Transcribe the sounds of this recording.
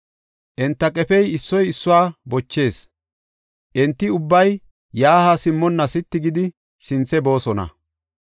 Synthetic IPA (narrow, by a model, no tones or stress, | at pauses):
ʔɛnt̪ːɐkʼɛfɛjɪsːɔjɪsːʊwaːbɔt͡ʃːe̞ːs | ʔɛnt̪ːɪʊbːɐj | jaːhasɪmːɔnːɐsɪt̪ːɪɡɪd̪ɪ | sɪnt͡sːɛbo̞ːsɔnɐ̰